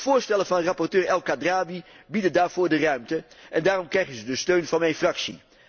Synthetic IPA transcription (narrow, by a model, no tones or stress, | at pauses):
v̥ʊːɹstɛlənvɑnərɑpɔrtøːɹɛlˠkadraːbi | bidəndaːɹv̥ʊːɹdərœɥmtəʔɛndaːrɔmkrɛjχənzədəstøɥnvɑnmɛjnfrɑksḭ